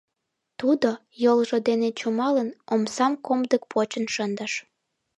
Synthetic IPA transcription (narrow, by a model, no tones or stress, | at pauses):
t̪ud̪o | jolʒod̪enet͡ɕumɑlənomsɑmkomd̪ək̚pʰot͡ɕənʃənd̪əʃ